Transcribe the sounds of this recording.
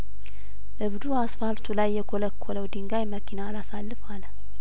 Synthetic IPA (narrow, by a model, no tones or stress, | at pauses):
ʔɨβd̪uasfalt̪ʰulajːɛkʰoləkʰːoləwd̪ɨŋɡajməkʰinalasalːɨfalə